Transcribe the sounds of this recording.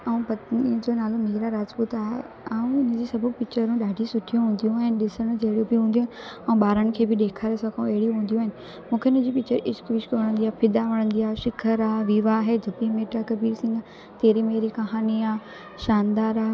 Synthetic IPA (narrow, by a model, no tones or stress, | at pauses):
ɐũpɐt̪nĩd͡ʑonaːlomeːɾaɾaːd͡ʑpuːt̪aːɦḛ | aːũɪnə̆d͡ʑiːsɐbʱupɪt͡ɕəɾũɗaːɖʱisʊʈʰijũɦũːnd̪ijũaːɦɪnɪ̆ɗɪsəɽ̃d͡ʑɐɦɪɽijũbɪɦũːnd̪ij̃ːnɛ̃ũɓaːɾəɽ̃ɪ̆kʰeːbɪɗ̪eːkʰaːɾesɐ̃kʰãũɛɦɪɽijũɦũːn̆d̪ijũaɦɪnɪ̆ | mũːkʰeʊnə̃d͡ʑiːpɪt͡ɕəɾɪskʋɪʃkɐʋɐɽ̃ə̃nd̪iaːpʰɪd̪aʋɐɽ̃ə̃nd̪iaːʃɪkʰəɾaːʋiʋaɦed͡ʑʱɐbimeːʈakɐbiːɾsɪ̃ŋɡa | t̪eːɾimeːɾikɐɦaːniaː | ʃaːnd̪aːɾaːɦ